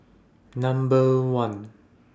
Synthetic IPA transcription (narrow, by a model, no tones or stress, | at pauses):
nʌ̃mbəwʌ̃n